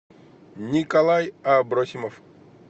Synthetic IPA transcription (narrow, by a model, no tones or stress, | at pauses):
nʲikɐlˠajabɾosʲimɔf